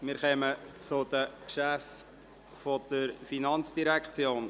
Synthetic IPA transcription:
mɪɾχœmət͡sʊd̪̥əkʃæft | fod̪̥əɾfinɑnt͡sd̥iɾækχt͡sjoːn

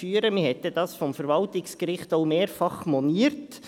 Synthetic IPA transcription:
fyːəɾəmɪhɛtəd̥ɑːsfɔmfəɾʋɑltɪkskɾɪχtoʊmeːɾfɑχmɔniːəɾt

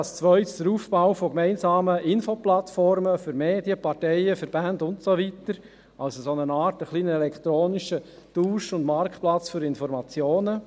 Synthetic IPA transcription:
st͡sʋœʏtsd̥əɾuːfb̥awfokmɛɪnsɑːməɪnfoplɑtfɔɾməfyɾmeːdjəpɑɾtɛɪəfəɾbændʊntsoʋitəɾ | ɑlsosonənɑːtəχliːnəɛlɛkʰt̪ɾoːnɪʃə | d̥uːʃʊndmɑɾkplɑt͡sfyɾɪnfɔɾmɑt͡sjoːnə

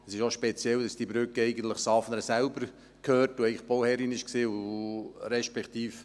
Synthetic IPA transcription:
əsɪʃoʃpet͡sjɛld̥ɑsd̥ibɾʏkəɛɪɡən̩t̪ləχsɑfnəɾəsælbəɾ | kʰhøːrtʊɛɪɡlɪχb̥ɔwhɛɾinɪʃksiːʊ | ɾɛʃpɛkt̪iːf

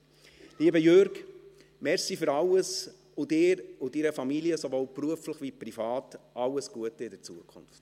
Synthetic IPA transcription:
liːəbəjøɾɡ | mɛɾsifʏɾɑlːəs | ʊdɪːɾʊdiɾəfɑmiliəsovoːlpruəfləχʋiprifɑːtʔɑlːəsɡ̥uətəɪdəɾt͡suəkʰχʊ̰nft

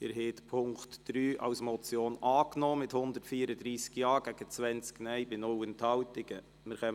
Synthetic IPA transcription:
ɪɾɦɛːtpʰʊŋktd̥ɾyːʔɑ̰wsmɔt͡sjoːnʔɑːknɔːmɪthʊnd̪ətfiːəɾəd̪ɾiːskjɑːɡ̥æɡ̥ət͡sʋɛnt͡sknɛjbɪnɔwənt̪hɑwtɪɡ̥ə | mɪɾχɛm

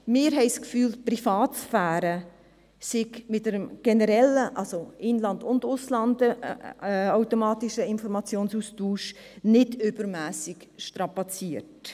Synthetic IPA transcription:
mɪːɾɦɛɪskfyːlprifɑːtsfæːɾə | sɪɡmɪtəɾəmɡ̥ɛnəɾɛləʔɑlsoʔɪnlɑndʊndʊslɑndə | aʊtomɑːtiʃəɪnfɔɾmɑt͡sjoːnsustuːʃ | nɪdʏbəɾmæːsɪɡʃtɾɑpɑt͡siəɾt

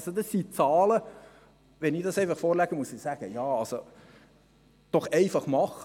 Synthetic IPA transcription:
sod̥̪ɑsːit͡sɑːlə | ʋɛnɪdɑsɛɪfɑχfɔːɾlɛɡ̥əmusɪsæːɡ̥əjɑːɑlso | d̥ɔχɛɪfɑχmɑχ

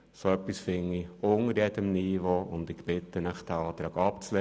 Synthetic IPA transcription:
soœpːisfɪŋːiʊŋəɾjɛdəmnivoʊnd̪ɪkb̥ɪt̪ːənəχd̥æɑːt̪ɾɑːɡɑpt͡sle

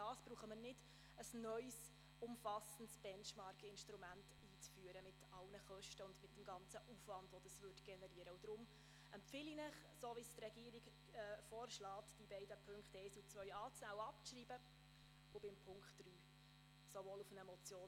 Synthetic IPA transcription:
d̥ɑːsb̥ɾuːχəməɾnɪd̥ | əsnœʏs | ʊmfɑsəntsb̥ɛnʃmɑɾkʰɪnʃtɾumænt | iːt͡sfyːəɾəmɪtɑlnəχœʃtəʊndmɪt̚d̥əmɡɑnt͡səʔufʋɑnd̥ʋɔd̥̪ɑsʋʏrtɡ̥ɛnɛɾiəɾəʊd̥ɾʊm | ɛmpfɪlinəχ | soːvistrɛɡiːəɾiɡ | ɛːfoːɾʃlɑːtd̥ibɛɪdəpʰɵŋkχtɛɪsut͡svœʏɑːt͡snæːʊɑpʃriːbə | ʊb̥ɪmpʰʊŋkχtryː | sovoːlufənɛmɔt͡sjoː

